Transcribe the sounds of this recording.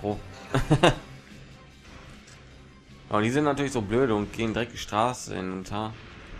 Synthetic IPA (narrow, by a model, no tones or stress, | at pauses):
oː | ja̰ːʊnd̥iːzɪntnatʰyːɐlɪçszoːbløːɾəʊnt̚ɡ̥eːəndiʁɛk̚d̥iːʃtʁ̥aːsə̰ɪ̰nʊntʰɐ